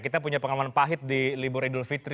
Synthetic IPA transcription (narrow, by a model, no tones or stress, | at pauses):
kit̪apuɲapəŋalamanpaɦɪt̪̚dilibuɾidʊlfit̪ɾ